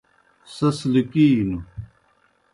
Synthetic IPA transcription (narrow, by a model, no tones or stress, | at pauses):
sɐslikiːnu